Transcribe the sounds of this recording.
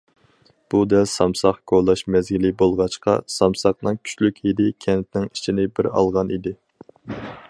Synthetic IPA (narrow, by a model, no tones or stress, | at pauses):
b̥ud̪ɛlsɑmsɑχkʰolˠɑʃmɛzɡʲilɪbolˠʁɑt͡ʃqɑ̰sɑmsɑq̚nɨŋkʲʰy̥t͡ʃlykʲhed̪ɪkʲʰɛnt̪nɪŋi̥t͡ʃʰinɪbɪɾɑ̰lˠʁɑnid̪ɪ